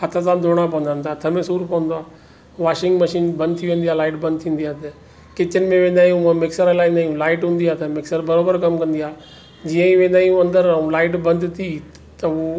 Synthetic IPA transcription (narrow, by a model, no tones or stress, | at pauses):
ɦət̪ʰasãːd̪ʱoːɽ̃ap̬ɐʋənd̪ant̪ʰaːt̪ʰəmẽsuːɾpəʋə̃nd̪oaː | ʋaːʃɪŋɡməʃiːnbə̃nd̪̚t̪ʰiʋẽːn̆d̪ijaːlaːɪʈbə̃nd̪t̪ʰĩːnd̪ijaːt̪ə | kɪt͡ʃənɪmẽʋẽːnd̪aːjũãmɪksəɾəlaːĩːnd̪aːjũlaːɪʈɦũːnd̪iaːt̪ɐmɪksəɾbɐɾoːbəɾkɐmkə̃nd̪iaː | d͡ʑiːə̃ĩʋẽːnd̪aːijũɐ̃nd̪əɾũlaːɪʈbə̃nd̪t̪ʰi | t̪əo